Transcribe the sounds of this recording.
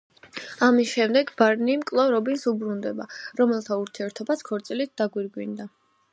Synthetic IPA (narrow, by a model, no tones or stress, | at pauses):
amisʃɛmd̪ɛɡbaɾnimkʼlˠɔvɾɔbinsubɾund̪ɛbaɾɔmɛlˠt̪ʰauɾt̪ʰiɛɾt̪ʰɔbaskʰɔɾt̪sʼilit̪̚d̪aɡwiɾɡwind̪a